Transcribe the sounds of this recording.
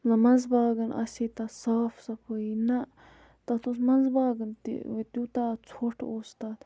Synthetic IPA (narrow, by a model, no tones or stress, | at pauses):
zɐmɐnzbaːɡɐnɐ̰sit̪ɐsaːfʰsɐpʰoinɐ | t̪ɐt̪usmɐnzbaːɡɨnt̪ḭt̪ut̪at͡sʰoʈʰoːst̪aːt̪